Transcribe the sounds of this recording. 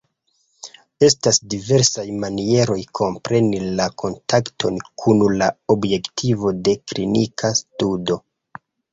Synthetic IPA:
e̞stasdive̞ɾsajmanie̞ɾo̞jkʰo̞mpɾe̞nilakʰo̞ntaktʰonkʰunulaobje̞ktʰivo̞de̞klinikʰastudo̞

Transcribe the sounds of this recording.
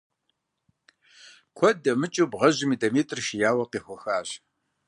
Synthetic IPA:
kʷʰɔdɐmɨt͡ʃʼubʁɐʑɪmiːdɐmiːtʼrʃɪjaːwɐqiːxʷʊxaːɕ

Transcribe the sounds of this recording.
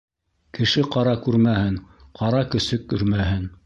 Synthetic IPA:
kɘ̆ʃɘqɑɾɑkʉɾmæhɘŋ | qʰɑɾɑkɵ̆sɵkːɵ̰̆ɾmæɦɘn

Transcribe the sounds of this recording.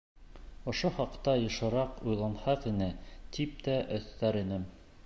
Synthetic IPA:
ŏʃoχɑqt̪ɑjɤ̆ʃɤ̆ɾɑqujlˠɑnhɑqinɘt̪ip̚t̪æʔɵ̆θːæɾinɘm

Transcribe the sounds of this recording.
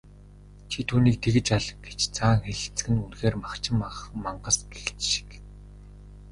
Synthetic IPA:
t͡ɕʰit̪ʰuːniːk̚t̪ʰeɣɘ̆t͡ɕaɮɡ̥e̥t͡ɕt͡sʰaːŋxeɮ̆t͡s̆ɡɘ̆nunxeːrmakt͡ɕɪ̆mmaɴɢə̆sɡext͡ɕʃi̥k

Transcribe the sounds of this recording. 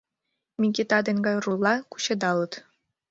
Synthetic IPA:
mʲiɡʲet̪ɑd̪ĕŋɡɑjrulˠːɑku̥ɕɤ̆d̪ɑlˠɤ̆t̪

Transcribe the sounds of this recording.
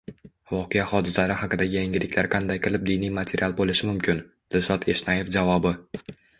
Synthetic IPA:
vɒqʰejahɒd̪ɪslaɾɪhɑqɨd̪aɡʲɪjaŋɡʲɪlɪkʲlaɾqʰɑnd̪ajqɪlɪp̚d̪ijnijmat̪ʰeɾʲialˠbolɪʃɪmʊmkʲʰɪn | d̪̥ɪlsɒt̪ʰe̞ʃnajefd͡ʒavɒbɪ

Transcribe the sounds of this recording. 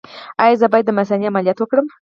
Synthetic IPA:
ajazəbɑjd̪ːəmas̬aniamalijɑt̪wəkɽəm

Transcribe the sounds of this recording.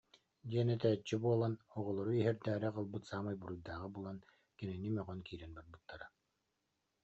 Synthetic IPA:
d̪ʲiɛnɛt̪æːt͡ɕːibuɔlˠanɔʁɔlˠɔɾuiɦɛɾd̪æːɾɛqɯlˠbɯt̪saːmajbuɾujd̪aːʁɯbulˠan | kɛnɛnimœʁœnkiːɾɛnbaɾbɯt̪ːaɾa

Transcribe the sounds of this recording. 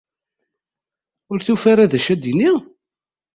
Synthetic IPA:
ʊɾθufaɾaðæʃæd̪ini

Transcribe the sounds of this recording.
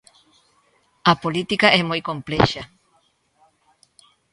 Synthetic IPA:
ɐpolit̪ikɐʔɛmojkompleʃɐ

